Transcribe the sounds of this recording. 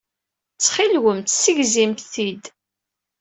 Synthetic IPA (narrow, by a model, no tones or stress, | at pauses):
t͡sːχilwəmt̪səʝzimt̪θid̪